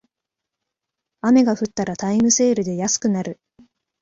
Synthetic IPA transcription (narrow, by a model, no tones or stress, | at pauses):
ame̞ɡaɸɯ̟t̪ːaɾat̪aimɯ̟se̞ːɾɯ̟d̪e̞jasɨ̥kɯ̟naɾɯ̟